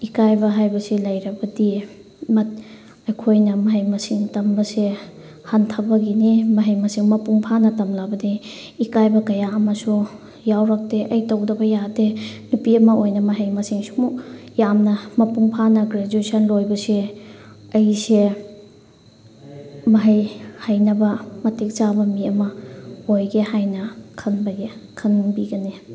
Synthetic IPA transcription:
ikajbɐɦajbɐsilɐjɾɐbɐdi | mɐt̚ | ɐjkʰojnɐmɐɦɐjmɐsiŋtɐmbɐse | hantʰɐbɐɡinimɐɦɐjmɐsiŋmɐpuŋpʰanɐtɐmlabɐdi | ikajbɐkɐjaɐmɐsu | jawɾɐk̚teʔɐjtɐwdɐbɐjadenupiɐmɐojnɐmɐɦɐjmɐsiŋsu̥mujamnɐmɐpuŋpʰanɐɡɾed͡ʒuesɐnlojbɐse | ɐjse | mɐɦɐjhajnɐbɐmɐtik̚t͡ʃabɐmiɐmɐojɡehajnɐkʰɐnbɐɡekʰɐnbiɡɐni

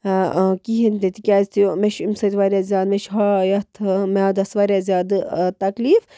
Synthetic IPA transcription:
kiɦind̪et̪ikʲaːzʲt̪ijomeʃimsɐt̪ʲʋaːɾʲjazʲjaːd̪meʃɦajɐt̪ʰmead̪ɐsʋaɾʲjazʲjaːd̪ɨt̪ɐkliːf

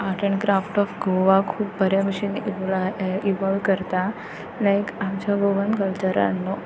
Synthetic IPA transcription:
aʈəɳkɾafʈɔfɡoʋakʰuːbːʱəɾamɪʃin | iʋɔlkəɾt̪a | lajkamt͡ʃɔɡoʋə̃nkəlt͡ʃəɾa̰nno

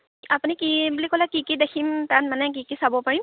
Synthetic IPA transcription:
apunikibulikɔlakikidekʰimtat̚manɛk̬ikisabɔpaɹim

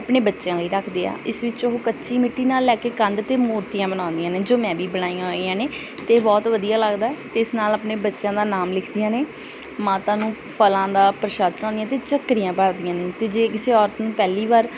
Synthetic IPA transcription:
əpɳeːbətːʃjãːləiːɾəkʰd̪eːa̰ːɪsʋɪt͡ʃoɦoːkətːʃiːmɪʈːiːnaːlːɛːkeːkə̃nd̪t̪eːmoːɾt̪ijãːbəɽ̃ãːnd̪ijãːneːd͡ʒoːmɛ̃ːʋiːbəɽaːijãɦoiãːneː | t̪eːbɔːt̪ʋəd̪ijaːləɡd̪aːɛt̪eːɪsnaːlaːpneːbətːʃãːd̪aːnaːmlɪkʰd̪ɪjãːneː | maːt̪ãːnũː | pʰəlãːd̪aːpɾɪʃaːd̪nãːnd̪ijãːt̪eːt͡ʃəkːɾijãːpəɾd̪ijãːneːt̪eːd͡ʒeːkɪseːɔːɾt̪nũːpɛːliːʋaːɾ

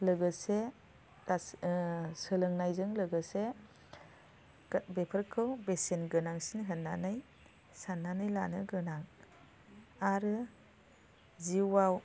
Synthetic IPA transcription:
lɯɡɯse | ɾa | sɯlɯŋnajzɯŋlɯɡɯse | bepʰəɾkʰɯwbesenɡɯnaŋsinɦɯnːanɯj | sanːanɯjla̰nɯɡɯnaŋ | aɾɯ | ziwaw

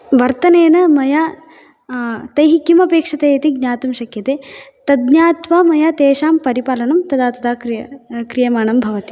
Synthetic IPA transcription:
ʋɐɾt̪ɐneːnɐmɐja | t̪ɐjɦikjimɐpeːkʂɐt̪eːjɐt̪iɡ̚ɲaːt̪umʃɐkjɐt̪eːt̪ɐd̪ɲjaːt̪ʋɐmɐjat̪eːʃaːmpɐɾipaːlɐnɐmt̪ɐd̪aːt̪ɐd̪aːkɾjɐkɾijɐmaːɳɐmbʱɐʋɐt̪i

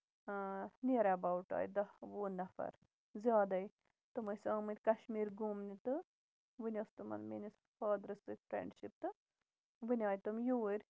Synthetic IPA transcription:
niɾɐbawʈa̰ːjd̪ɐʋuːnːɐfɐ̰ɾ | zjaːd̪ɐj | t̪ɨmɨsɐ̃ːmɨt̪ʲkɐʃmiːɾɡuːmnit̪ɨ | ʋɨnʲɐst̪ɨmɐ̰nminʲis | faːd̪ɾɨst̪ɨk̪ʲpʰɾḛːɳɖʃip̚t̪ɨ | ʋɨnʲaːjt̪ɨmjuːɾʲ

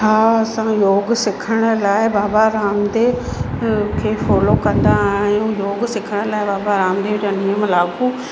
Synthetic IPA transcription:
ɦaːɐsãjoːɡsɪkʰəɽ̃ʊ̆laːɪbaːbaɾaːmd̪e | kʰeːfɔːlokɐ̃nd̪aɦɪjũjoːɡsɪkʰəɽ̃ʊlaːɪbaːbaɾaːmd̪ed͡ʑaːnijəmlaːɡuː

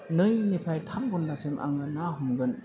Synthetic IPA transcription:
nɯjnipʰajtʰamɡunːasemʔa̰ŋɯnaɦumɡɯn

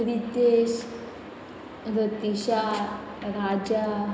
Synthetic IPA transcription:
ʋit̪eʃ | ɾət̪iɕa | ɾad͡ʒa

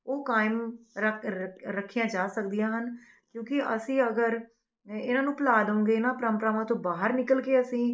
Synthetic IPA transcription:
oːkaːɪməɾəkʰːijãːd͡ʒaːsək̚d̪ijãːɦən | kjõːkɪʔə̰sĩːəɡəɾ | ɪnãːnũːpəlaːd̪əʊ̃ŋɡeːɪnãːpɾəmpɾaːʋãːt̪õːbaːɦəɾnɪkəlkeːəsĩː

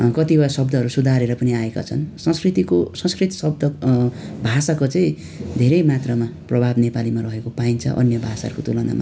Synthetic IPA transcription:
kʌt̪ibʌsʌbd̪ʌɦʌɾusud̪ʱaɾeɾʌpʌniaeka̰t͡sʰʌnsʌ̃skrit̪ikosʌ̃skrit̪sʌb̚d̪ʌ | bʱasakot͡saĩ | d̪ʱeɾʌjmat̪rʌmaprʌbʱabnepalimarʌɦekopaint͡sʰʌ̰ʔʌ̰njʌbʱasa̰ʌ̰ɾukot̪ulʌna̰ma̰

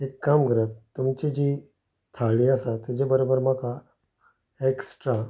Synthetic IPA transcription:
ekːamkəɾət̪ːumt͡ɕid͡ʑi | t̪ʰaɭiasat̪ed͡ʑebəɾobəɾmaka | eksʈɾa

